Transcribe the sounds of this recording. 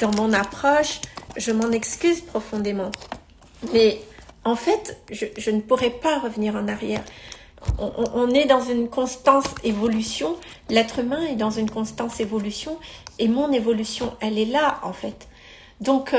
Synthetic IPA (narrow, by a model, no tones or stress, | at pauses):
d̪̥ɑ̃mɔ̃napχɔʃʒəmɑ̃nɛkskʲyzpχɔfɔ̃d̪emɑ̃ | mɛɑ̃fɛt̪ʒəʒənəpuʁɛpaʁəvniʁɑ̃naʁjɛːʁ | ɔ̰̃ʔɔ̃ʔːnɛd̪ɑ̃zynkɔ̃st̪ɑ̃sevɔlysjɔ̃ | lɛt̪χymɛ̃ɛd̪ɑ̃zynkɔ̃st̪ɑ̃sevɔlysjɔ̃emɔ̃nevɔlysjɔ̃ʔɛlɛlaɑ̰̃fɛt̪ | d̪ɔ̃k